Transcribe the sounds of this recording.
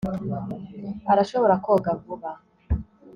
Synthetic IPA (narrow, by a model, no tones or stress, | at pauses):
aɾaʃo̞βo̞ɾakoɡavuβa